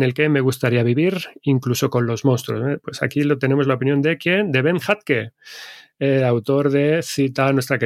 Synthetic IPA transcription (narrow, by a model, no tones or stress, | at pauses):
ne̞lke̞me̞ɣ̞ust̪aɾiaβiβiɾiŋkluso̞ko̞nlo̞zmõ̞nst̪ɾo̞̰zβepwe̞sa̰kilot̪e̞ne̞mo̞zlao̞pinjo̞nd̪e̞kjend̪e̞βe̞ŋxat̪̚ke | eawt̪o̞ɾðe̞θit̪anwe̞st̪ɾake